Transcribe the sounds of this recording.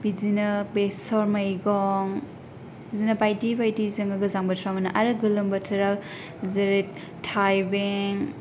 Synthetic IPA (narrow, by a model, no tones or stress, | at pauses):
bizinɐbesɔɾmɐjɡɔŋ | bizinɐbajtibajtizɐŋɡɐɡɐzaŋbɐtʰɾamɐnɐʔaɾɯɡɯlɯmbɐtʰɐɾak | zɐɾet̚ | tʰːajbeŋ